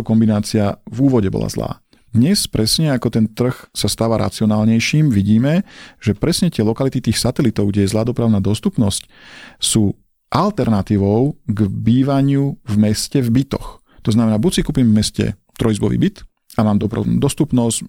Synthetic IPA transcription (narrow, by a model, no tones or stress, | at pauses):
kɔmbinaːt͡siavuːʋɔɟɛbɔ̰la̰zla̰ː | d̪ɲɛspɾɛsɲɛakɔt̪ɛnt̪r̩xsast̪aːʋaɾʔa̰t͡siɔnaːlɲɛjʃiːmʋiɟiːmɛʒ̥ɛpɾɛsɲɛt̪ɪɛlɔkalit̪it̪iːxsat̪ɛlit̪ɔʊɡɟɛjɛzlaːd̪ɔpɾaʊnaːd̪ɔst̪upnɔsc | suː | ʔalt̪ɛɾnat̪iːʋɔʊɡbiːʋaɲɪuvmɛscɛvbit̪ɔ̰x | t̪ɔznamɛnaːbusikuːpiːmvmɛscɛ̰ | t̪ɾɔjizbɔʋḭːbit̪ | amaːmd̪ɔpɾa̰nṵːd̪ɔst̪upnɔs